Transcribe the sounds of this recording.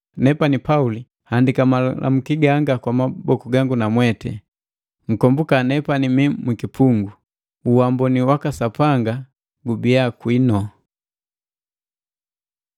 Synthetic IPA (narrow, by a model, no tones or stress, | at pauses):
nɛpanipauli | handikamalʔa̰m̩kiɡaŋɡakwamabɔkuɡaŋɡunamwɛtɛ̰ | ŋ̩kɔmbukanɛpanimimwikipʰuŋɡu | uwambɔniwakasapaŋɡa | ɡubiakwinɔ